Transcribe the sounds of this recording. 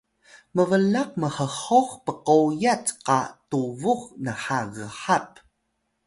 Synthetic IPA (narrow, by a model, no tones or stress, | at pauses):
məvəlaq̚məħəχoχpəqojatqa̰tuvuχnəħaɣəħap̚